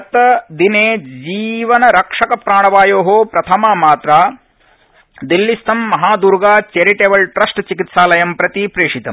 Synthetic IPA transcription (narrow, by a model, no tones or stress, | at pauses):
t̪ɐd̪ineːd͡ʒiːʋɐnɐɾɐkʂɐkɐpɾaːɳɐʋaːjoːɦoːpɾɐt̪ʰɐmaːmaːt̪ɾaː | d̪ilːist̪ʰɐmːɐɦaːd̪uɾɡaːt͡ʃeɾiʈeːʋɐlʈɾɐsʈt͡ʃikit̪saːlɐjɐmpɾɐt̪ipɾeːʂit̪ɐm